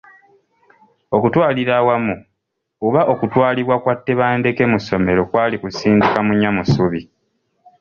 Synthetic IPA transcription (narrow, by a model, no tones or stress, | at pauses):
o̞kutwaːliɾawamu | uβaʔo̞kutwaːliβwakwatːe̞βaːnde̞kemuso̞me̞ɾo̞kwaːlikusiːndikamuɲːamusuβi